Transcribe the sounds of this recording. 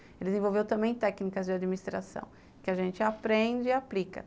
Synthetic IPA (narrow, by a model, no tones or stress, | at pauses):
elɪzẽvowvewt̪ɐ̃mbẽj̃t̪ɛknikɐzd͡ʒɪad͡ʒminist̪ɾa̰sɐ̰̃w̃ | kɪaʒẽnt͡ʃɪapɾẽd͡ʒɪiaplikɐ̰